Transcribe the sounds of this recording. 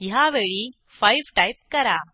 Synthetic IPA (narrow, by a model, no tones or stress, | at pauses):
jaʋeɭi | fajʋʈajp̚kəɾa